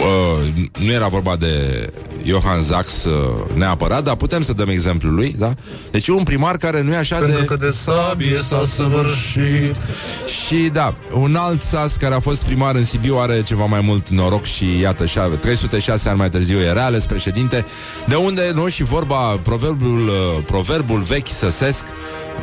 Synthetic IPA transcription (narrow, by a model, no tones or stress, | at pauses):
ənuje̞ɾavo̞rbad̪e̞̰ | jo̞xanzaksne̞apəɾat̪̚d̪aput̪e̞msəd̪əme̞ɡze̞mplulujd̪a | d̪e̞t͡ʃjeunpɾimarkaɾe̞nuje̞aʃad̪eesabiesasəvɨɾʃit̪ʃid̪a | unalt̪saskaɾe̞afo̞st̪̚pɾimaɾɨnsibiuaɾe̞t͡ʃe̞vamajmult̪no̞ɾo̞kʃijat̪əʃat̪ɾe̞jsut̪e̞ʃaseanʲmajt̪ɨrziwjeɾeale̞spɾe̞ʃe̞d̪in̪t̪e̞ | d̪e̞und̪e̞noʃivo̞rbapɾo̞verbulpɾo̞ve̞rbulve̞kʲsəse̞sk